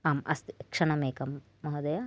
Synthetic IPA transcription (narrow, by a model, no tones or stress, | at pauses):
aːmʔɐ̰st̪ikʂɐɳɐmeːkɐmː | ɐɦɐd̪ɐjɐ